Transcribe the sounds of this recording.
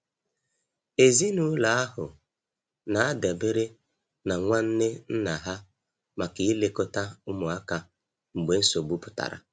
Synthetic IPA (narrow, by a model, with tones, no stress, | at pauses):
e˨zi˦nu˨˦la˨a˦ɦʊ˨ | na˨a˦da˨be˦ɾe˦ | na˨ŋʷa˦n̩˦ne˦n̩˦na˨ɦa˦ | ma˨kɪ˨˦le˦kʊ˦ta˦ʊ˦mʊ˨a˦ka˨ | ŋ͡m̩˨ɡ͡be˨n̩˦so˨ɡ͡bu˦pʊ̥˨ta̰˨ɾa̰˨